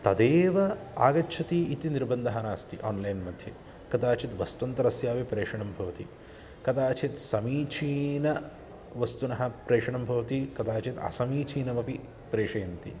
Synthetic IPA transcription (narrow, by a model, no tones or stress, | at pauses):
t̪ɐd̪eːʋɐa̰ːɡɐtːt͡ʃʰɐt̪iit̪iniɾbɐnd̪ʱɐɦɐnaːst̪iʔaːnlɐjnmɐd̪ʱje | kɐd̪aːt͡ʃit̪ʋɐst̪ɐnt̪ɐɾɐsjaːʋipɾeːʂɐɳɐmbʱɐʋɐt̪i | kɐt̪aːt͡ʃit̪sɐmiːt͡ʃʰiːnɐ | ʋɐst̪unɐɦɐ̆pɾeːʂɐɳɐmbʱɐʋɐt̪ikɐt̪aːt͡ʃit̪ɐ̰sɐmiːt͡ʃʰiːnɐmɐpi | pɾeːʂɐjɐnt̪ḭ